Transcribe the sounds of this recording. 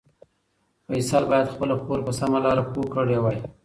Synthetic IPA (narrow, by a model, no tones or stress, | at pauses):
pəisɑlbɑjad̪xpəlaxoɾpəsamalɑɾakokəɽewɑj